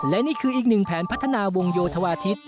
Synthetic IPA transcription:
lɛ˦˥niː˥˩kʰɯː˧ʔiː˨˩k̚nɯ˨˩ŋpʰɛː˩˦npʰa˦˥t̪ʰːa˧naː˧wo˧ŋjoː˧t̪ʰa˧waː˧t̪ʰi˦˥t̪̚

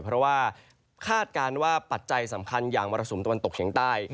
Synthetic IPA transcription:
pʰɾɔ˦˥waː˥˩ | kʰaː˥˩t̪̚kaː˧nwaː˥˩pa˨˩t̪̚t͡ɕa˧jsa˩˦mkʰa˧njaː˨˩ŋmɔː˧ɾa˧so˩˦t̪wa˧nt̪o˨˩k̚t͡ɕi˩˦ŋt̪aː˥˩j

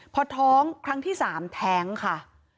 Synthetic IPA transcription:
pʰɔ˧t̪ʰɔː˦˥ŋkʰɾa˦˥ŋt̪ʰiː˥˩saː˩˦mt̪ʰɛː˦˥ŋkʰa˥˩

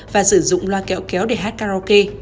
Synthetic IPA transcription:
vaː˨˩sɨ˧˩zʊ̰˧˨ŋ͡mlwaː˧kɛ̰˧˥˦wkɛ˨˦wɗe˧˩ɦaː˦˥t̚kaː˧ɾɔ˧ke˧

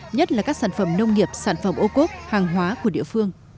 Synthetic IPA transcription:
ɲə˦˥t̚laː˨˩kaː˦˥k̚saː˧˩nfə˧˩mnə˧wŋ͡mŋi˨˩əp̚saː˧˩nfə˧˩mʔo˧ko˦˥t̚haː˨˩ŋɦwaː˨˦ku˧˩əɗḭ˧˨əfɨ˧əŋ

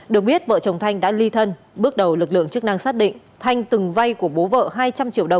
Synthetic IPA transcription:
ɗɨ˨˩ək̚ɓi˦˥ət̚və̰ː˧˨t͡ɕə˨˩wŋ͡mt̪ʰa˧jŋ̟ɗa̰ː˧˥li˧t̪ʰə˧n | ɓɨ˦˥ək̚ɗə˨˩wlɨ˨˩k̚lɨ̰˧˨əŋt͡ɕk̚na˧ŋsaː˦˥t̚ɗḭ˧˨ŋ̟ | t̪ʰa˧jŋ̟t̪ɨ˨˩ŋva˧jku˧˩əɓo˨˦və̰ː˧˨ɦaː˧jt͡ɕa˧mt͡ɕḭ˧əwɗə˨˩wŋ͡m

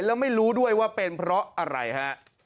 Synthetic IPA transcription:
jlɛː˦˥wma˥˩jɾuː˦˥du˥˩əjwaː˥˩pe˧npʰɾɔ˦˥ʔʔa˧ɾa̰˧jkʰa˦˥ʔ

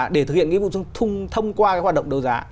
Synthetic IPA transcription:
ɗe˧˩t̪ɨ˨k̚hḭ˧˨nŋḭ˧˥vṵ˧˨t͡ɕɨ˧əŋt̪ʰʊ˧ŋ͡mt̪ʰə˧wŋ͡mkwaː˧kaː˨˦˥jwa˨˩ɗə˧˨ŋ͡mɗə˧˩wzaː˨˦

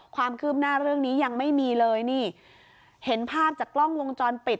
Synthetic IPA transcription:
kʰwaː˧mkʰɯː˥˩p̚naː˥˩ɾɯ˥˩əŋniː˦˥ja˧ŋma˥˩jmiː˧lɤː˧jniː˥˩ | he˩˦npʰaː˥˩p̚t͡ɕaː˨˩klɔ˥˩ŋwo˧ŋt͡ɕɔː˧npi˨˩t̪̚

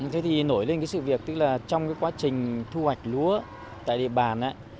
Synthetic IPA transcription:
t̪ʰe˨˦t̪ʰi˨˩no˧˩jle˧nkaː˨˦sɨ̰˧˨vi˨˩ək̚t̪ɨ˦˥k̚laː˨˩t͡ɕɔ˧wŋ͡mkaː˨˦jkwaː˨˦t͡ɕï˨˩ŋ̟t̪ʰu˧hwa˨˩jk̟̚lu˨˦ə | t̪a̰ː˧˨jɗḭ˧˨əɓaː˨˩nʔaː˧˦˥

